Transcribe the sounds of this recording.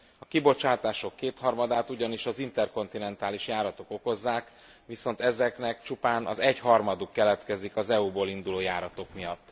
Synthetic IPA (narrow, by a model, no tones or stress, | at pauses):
ɒkibo̞t͡ʃaːt̪aːʃo̞kːeːt̪hɒrmɒd̪aːt̪uɟɒniʃɒzint̪ɛrko̞nt̪inɛnt̪aːliʃjaːɾɒt̪o̞ko̞ko̞zːaːk | ʋiso̞nt̪ɛzɛknɛk̚t͡ʃupaːnɒ̰zɛɟhɒrmɒd̪ukːɛlɛt̪kɛzikɒzɛuboːlind̪uloːjaːɾɒt̪o̞kmijɒt̪ː